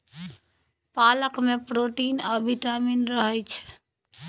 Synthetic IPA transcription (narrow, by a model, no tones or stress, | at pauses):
paləkmepɾoʈinəbʱiʈaminɾəɦəjt͡ʃʰɛ̥